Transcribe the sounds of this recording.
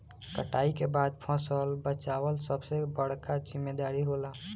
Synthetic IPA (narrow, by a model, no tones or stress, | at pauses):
kəʈaːikebaːd̪̚pʰɔ̃səlbət͡ʃaːwəlsəbsebəɽ̤kazɪmːed̪aːɾiɦoːla